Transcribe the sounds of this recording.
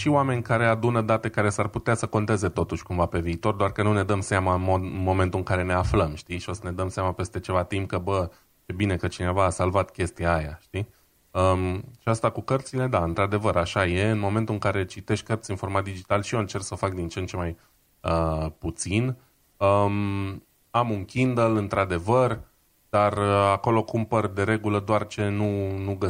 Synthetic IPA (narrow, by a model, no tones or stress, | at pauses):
ʃioame̞nʲkaɾe̞ad̪unəd̪at̪e̞kaɾe̞sarput̪easəko̞nt̪e̞ze̞t̪o̞t̪uʃkumvape̞viːt̪o̞rd̪oarkənune̞d̪əmseamaɨnmod̪ɨnmo̞ment̪uɨŋkaɾe̞ne̞afləmʃt̪iʃio̞səne̞d̪əmseamape̞st̪e̞t͡ʃe̞vat̪imp̚kəbə | t͡ʃebine̞kət͡ʃine̞vaːsalvat̪kʲe̞st̪ijaːja̰ʃt̪i | əʃiast̪akukərt̪sile̞d̪aɨnt̪ɾad̪e̞vəɾʔaʃaje̞ɨnmo̞ment̪ulɨŋkaɾe̞t͡ʃit̪e̞ʃt̪̚ʲkərt̪sinfo̞ɾmat̪̚d̪id͡ʒit̪alʃioɨnt͡ʃe̞rksəofak̚d̪int͡ʃent͡ʃe̞maj | əput̪sin | əm | amuŋkʲind̪elɨnt̪ɾad̪e̞vər | d̪arəako̞lo̞kumpərd̪e̞ɾe̞ɡuləd̪oart͡ʃe̞nunuɡə